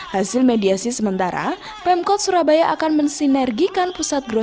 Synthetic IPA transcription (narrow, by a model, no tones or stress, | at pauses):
hasɪlmediasisəmənt̪aɾa̰ | pɛmkɔt̪̚suɾabajaʔakanmənsinɛrɡikanpusat̪̚ɡɾo